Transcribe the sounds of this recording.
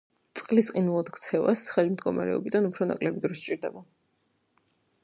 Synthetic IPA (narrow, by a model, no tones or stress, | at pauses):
t̪sʼqʼlisqʼinulˠad̪kt̪sʰɛvasχɛlimd̪ɡɔma̰ɾɛ̰ɔ̰bid̪anupʰɾɔnakʼlɛbid̪ɾɔst͡ʃʼiɾd̪ɛba